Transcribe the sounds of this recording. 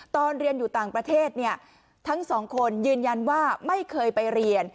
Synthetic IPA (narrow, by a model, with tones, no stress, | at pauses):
t̪ɔː˧nɾi˧ənjuː˨˩t̪aː˨˩ŋpɾa˧t̪ʰeː˥˩t̪̚ni˥˩ə | t̪ʰa˦˥ŋsɔː˩˦ŋkʰo˧njɯː˧nja˧nwaː˥˩ma˥˩jkʰɤː˧jpa˧jɾi˧ən